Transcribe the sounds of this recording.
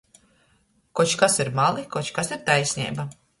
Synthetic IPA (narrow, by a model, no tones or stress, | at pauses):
kɔt͡ʃkasiɾmalˠikɔt͡ʃkasiɾt̪ajsʲnʲḭːba